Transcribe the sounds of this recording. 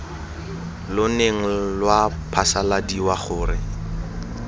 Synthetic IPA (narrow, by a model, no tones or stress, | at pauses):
lʊneŋ̩lwapʰasaladiwaχʊːrɪ